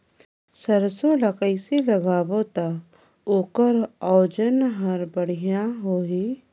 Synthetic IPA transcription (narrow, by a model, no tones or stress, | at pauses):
səɾsolakəɪseləɡaːbot̪a | oːkəɾɔːd͡ʒənɦəɾbəɽ̤ijaɦoːɦiː